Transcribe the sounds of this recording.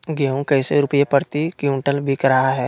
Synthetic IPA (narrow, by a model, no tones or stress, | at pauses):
ɡjaũkɐɪseɾʊpəjepɐɾt̪ikjũɳʈəlbʱikɾɐɦaɦɛː